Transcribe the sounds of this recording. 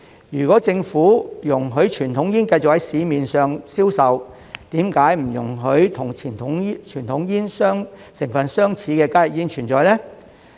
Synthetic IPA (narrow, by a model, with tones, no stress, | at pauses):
jyː˨˩kwɔː˨˥t͡sɪ˧ŋfuː˨˥jʊ˨˩ŋɦɵ˨˥ɥt͡ʃʰyː˨˩nt̪ʰʊ˨˥ŋjiː˥nkɐ˧jt͡sʊ˨k̚hɐ˨˥jsiː˨˧miː˨nsœː˨˧ŋsiː˥wsɐ˨˧w | t̪iː˨˥mkaː˨˥jm̩˨˩jʊ̰˨˩ŋɦɵ˨˥ɥt̪ʰʊ˨˩ŋt͡ʃʰiː˨˩nt̪ʰʊ˨˥ŋ˥t͡ʃʰyː˨˩nt̪ʰʊ˨˥ŋjiː˥nsœː˥ŋsɪ˨˩ŋfɐ˨nsœː˥ŋt͡sʰiː˨˥kɛː˧kaː˥jɪ˨˩k̚jiː˥nt͡ʃʰyː˨˩nt͡sɔː˨˧jlɛː˥